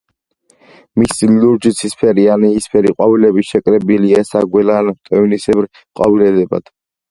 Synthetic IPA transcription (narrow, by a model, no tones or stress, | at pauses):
misluɾd͡ʒit̪sʰispʰɛɾianiːspʰɛɾiqʼwavilɛbiʃɛkʼɾɛbiliɛsaɡwɛlant̪ʼɛnisɛbɾ | qʼa̰vilɛd̪ɛba̰d̪̥